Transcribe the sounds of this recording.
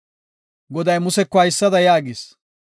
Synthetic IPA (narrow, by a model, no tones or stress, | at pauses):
ɡɔd̪ɐjmʊsɛkːɔɐjɪsːɐd̪ɐjaːɡɪːs